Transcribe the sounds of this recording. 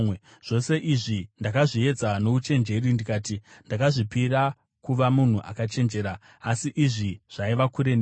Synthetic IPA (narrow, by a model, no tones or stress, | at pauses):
ʐ̥o̞se̞ʔiʐindakaʐie̞d͡zanout͡ʃe̞nd͡ʒe̞rindikaːtindakaʐipiɾa | kuʋamun̤uʔa̰kat͡ʃe̞nd͡ʒe̞ːɾaː | siʔiʐiʐ̥aiʋakuɾen